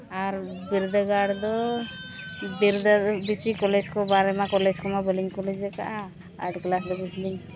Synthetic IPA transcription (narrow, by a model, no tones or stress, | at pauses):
aɾ | biɾd̪əɡaɽd̪ɔ | biɾd̪abisikɔlɛd͡ʒkɔbaɾɛmakɔlɛd͡ʒkɔmabəliɲkɔlɛd͡ʒɛka̰ʔa | aɖklasd̪ɔbisliɲ